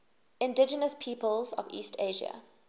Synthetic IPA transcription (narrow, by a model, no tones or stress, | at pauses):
ɪ̃ndɪd͡ʒənəspʰiːpəlˠzɔ̰vḭːstʰeɪʒiə̰